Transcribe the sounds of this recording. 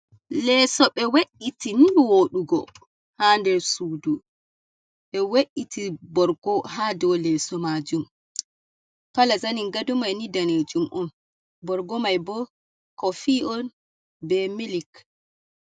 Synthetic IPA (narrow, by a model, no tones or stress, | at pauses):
lɛsɔɓɛweʔitiniwoɗuɡɔ | handɛɾsudu | ɓɛweʔitʰibɔɾɡ̥ɔhadɔwlɛsɔmad͡ʒum | palazaniŋɡadumajnidaned͡ʒumʔɔn | bɔɾɡɔmajbɔ | kɔfiʔɔn | bɛmilik